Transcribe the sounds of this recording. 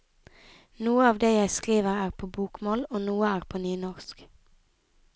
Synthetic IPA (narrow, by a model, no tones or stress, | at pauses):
nuːəɑːʋd̪eːjæɪskʁiːʋəʁæːʁpʰoːbuːkmoːloːnuːəæːʁpʰoːnyːnɔʁsk